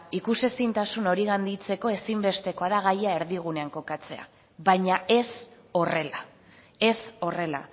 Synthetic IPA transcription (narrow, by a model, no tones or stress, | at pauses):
ikuse̞sint̪asuno̞ɾiɣand̪it͡se̞ko̞e̞simbe̞st̪e̞ko̞aðaɣ̞ajae̞ɾðiɣ̞une̞aŋko̞kat͡se̞̰a̰ | βajɲae̞s | o̞re̞la | e̞so̞re̞la̰